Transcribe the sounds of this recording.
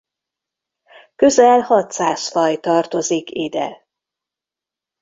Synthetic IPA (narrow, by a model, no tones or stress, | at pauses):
kø̞zɛlhɒt̪saːsfɒjt̪ɒrt̪o̞zikiːd̪ɛ̰